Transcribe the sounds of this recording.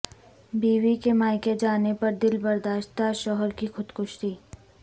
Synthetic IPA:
biːʋikemaːjked͡ʒaːnepɐɾd̪ɪlbɐɾd̪aːʃt̪aʃɔɦəɾkixʊd̪kʊʃɾiː

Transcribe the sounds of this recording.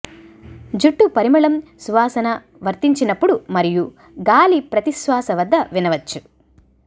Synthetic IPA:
d͡ʒuʈːupɐɾimɐɭɐmsuʋaːsɐnɐ | ʋɐɾt̪iɲt͡ʃinɐpːuɽumɐɾiju | ɡaːlipɾɐt̪isʋaːsɐʋɐd̪ːɐʋinɐʋɐt͡ʃːu

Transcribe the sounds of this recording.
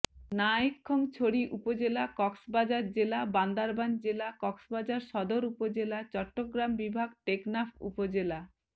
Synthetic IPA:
naikʰːoŋt͡ɕʰoɽiʔupod͡ʑelakɔksbad͡ʑaɾd͡ʑelaband̪aɾband͡ʑelakɔksbad͡ʑaɾʃɔd̪oɾupod͡ʑelat͡ɕɔʈːoɡɾambibʱaɡʈeknapʰṵpod͡ʑela

